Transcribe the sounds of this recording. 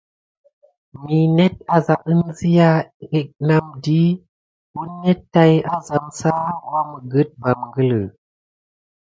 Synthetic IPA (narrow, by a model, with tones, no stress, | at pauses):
mi˨ne˦t̚a˨za˨ʔɨ˦nzi˦ja˦e˨k̚na˦mdi˦ | u˦nːe˦tːa˦ja˦za˨msa˦wa˦mə˨ɡə˦t̚ba˨mŋɡə˦lə˨